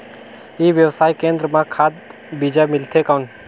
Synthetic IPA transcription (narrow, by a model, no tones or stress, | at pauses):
iʋjəwsaːikẽːnd̪ɾəmãkʰaːd̪ | bid͡ʒamɪlt̪ʰekan